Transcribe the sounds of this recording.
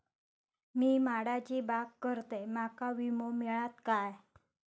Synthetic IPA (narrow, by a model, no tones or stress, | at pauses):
miːmaɽat͡ɕiːbakkəɾt̪emakaʋimomiɭat̪kaj